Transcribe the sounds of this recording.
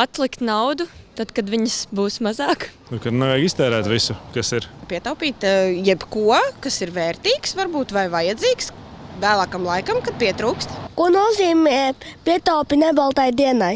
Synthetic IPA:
at̪lˠikt̪nawd̪ut̪ad̪kad̪vʲiɲəsbuːsmazɑːkt̪uɾkad̪nɛvɛːɡist̪ɛːɾæːt̪visukasiɾpʲiɛt̪awpʲiːt̪jɛbkuɔkasiɾvɛːɾt̪iːksvaɾbuːt̪vajvajɐd̪ziːks | væːlˠaːkamlˠajkɐmkad̪̚pʲiɛt̪ɾuːkst̪kuɔnuɔziːmɛpʲiɛt̪awpʲinɛbalˠt̪ajd̪iɛnaj

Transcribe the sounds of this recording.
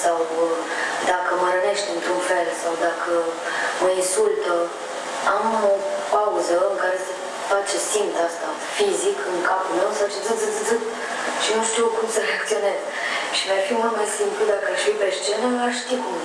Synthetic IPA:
saw | d̪akəməɾəne̞ʃt̪ɨnt̪ɾunfe̞lsawd̪akəməinsult̪ə | amopauzəɨŋkaɾe̞sə | fat͡ʃe̞simt̪ast̪a | fizikɨŋkapulme̞wsawt͡ʃezɨzɨzɨzɨ | ʃinuʃt̪ikumsəɾeakt̪sio̞ne̞zəʃimafimult̪majsimplud̪akəaʃfipe̞ʃt͡ʃenəaʃt̪i

